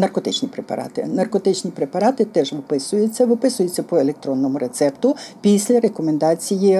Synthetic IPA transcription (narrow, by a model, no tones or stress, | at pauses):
nɐrkɔt̪ɪt͡ʃnʲipɾepɐ̰ɾɑ̰t̪ɪnɐrkɔt̪ɪt͡ʃnʲipɾepɐɾɑt̪ɪt̪ɛʒʋɪpɪsʊjʊt͡sʲːɐʋɪpɪsʊjʊt͡sʲːɐpɔelˠek̚t̪ɾɔnːɔmʊɾe̞t̪sɛpt̪ʊpʲisʲlʲɐɾekɔmend̪ɑt͡sʲiji